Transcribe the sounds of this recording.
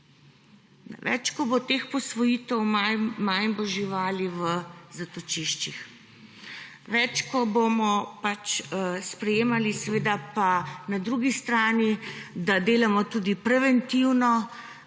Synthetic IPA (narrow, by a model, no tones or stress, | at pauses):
n̰ʋɛ̰t͡ʃkɔbot̪eːxpɔsʋɔjiːt̪ɛwmmajmbɔʒiʋaːliʋəzat̪ɔt͡ʃiʃt͡ʃix | ʋɛt͡ʃkɔbomɔpat͡ʃspɾɛjeːmalisɛʋeːd̪apanad̪ɾuɡist̪ɾaːnid̪ad̪eːlamɔt̪ud̪ipɾɛʋɛnt̪iwnɔ